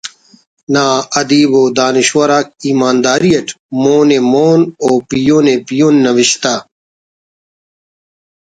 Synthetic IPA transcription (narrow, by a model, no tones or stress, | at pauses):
naːɐd̪iːboːd̪aːniɕwɐɾaːk̚iːmaːnd̪aːɾijɐʈ | moːnemoːnoːpijoːnepijoːnːɐʋiɕt̪aː